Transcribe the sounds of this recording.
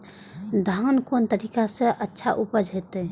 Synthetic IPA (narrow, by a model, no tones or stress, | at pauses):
d̪ʱaːnkoːnt̪əɾiːkaseʔətːʃʰaʔupəd͡ʒʱɦet̪e